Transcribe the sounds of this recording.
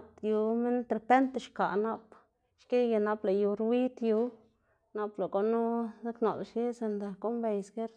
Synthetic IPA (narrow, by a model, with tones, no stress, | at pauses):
t̪ju˧me˦nt̪ɾe˨pe˦nt̪e˧ʃka˨na˦p | ʃke˦ɡa˧˨na˧pla˨ju˧ɾwi˦t̪ju˧˦ | na˧pla˨ɡo˦nu˦za˦kno̰˨lʃje˦se˧nd̪a˨ko˦mbe˨jsɡe˦ɾ